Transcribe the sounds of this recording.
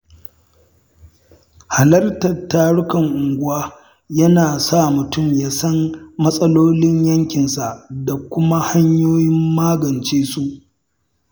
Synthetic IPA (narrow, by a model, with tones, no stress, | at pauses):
ha˨lɐ˦rtɐ˨tːaː˦ɽʊ˦kɐ˨ŋʔʊ˨ŋɡʷʊ˦waː˦ | jɐ˦naː˨sa˦˨mʊ˨tʊ˦˨mjaː˦sɐ˦nːɐ˦sʼɐ˦loː˦lɪ˦ɲjɐ˦ŋkʲɪ˨nsa˨ʔda˨kʷʊ˦ma˦ha˦ɲjoː˦jɪ˦mːaː˦ɡɐ˨nt͡ʃeː˦su˦ʔ